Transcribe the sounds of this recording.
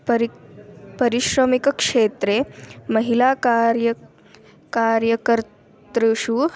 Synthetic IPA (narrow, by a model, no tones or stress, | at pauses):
p | pɐɾiʃɾəmikɐkʂet̪ɾemɐɦilakaɾj | kaɾjɐkəɾ | t̪ɾiʃu